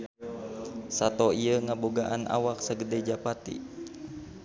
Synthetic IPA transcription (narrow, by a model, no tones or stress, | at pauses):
sat̪ɔiəŋaboɡaʔanʔa̰wak̚saɡədɛd͡ʒapat̪ḭ